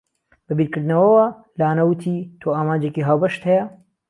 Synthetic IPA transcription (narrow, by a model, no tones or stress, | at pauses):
bɐbiːɾkɨɾd̪nɐwɐwɐ | laːnɐwɨt̪ʰiːt̪ʰoːaːmaːnd͡ʒekiɦaːwbɐʃt̪hɛjɐ